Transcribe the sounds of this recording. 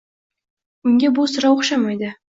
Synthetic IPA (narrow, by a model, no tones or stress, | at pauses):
ʊŋɡʲebʊsʊɾɑwoχʃamajd̪ɪ